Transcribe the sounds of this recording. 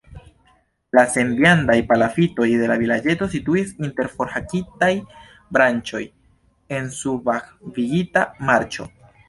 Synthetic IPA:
lase̞ndjandajpalafito̞jde̞lavilad͡ʒe̞to̞situisinte̞ɾfo̞ɾhakitaj | bɾant͡ʃo̞j | e̞nsubaxviɡitamaɾt͡ʃo̞̰

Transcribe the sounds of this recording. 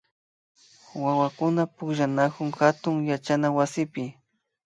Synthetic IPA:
wawakʊnapʊkʒanakʊŋxat̪ʊŋjat͡ʃanawasɪpɪ

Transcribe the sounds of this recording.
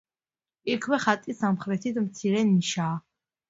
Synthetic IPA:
ikʰwɛχat̪ʼisamχɾɛt̪ʰid̪mt̪sʰiɾɛniʃaː

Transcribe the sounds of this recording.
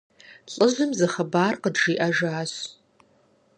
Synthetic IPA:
ɬʼəʒʷɨmzɐχɐbaːrqədʒiʔaʒaːɕ

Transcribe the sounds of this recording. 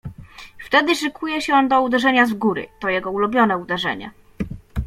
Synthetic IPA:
ft̪ɛd̪ɘʂɘkʰujɛɕɛɔnd̪ɔud̪ɛʐɛɲazɡuɾɘ̰t̪ɔjɛɡɔulubʲjɔnɛud̪ɛʐɛ̰ɲɛ̰

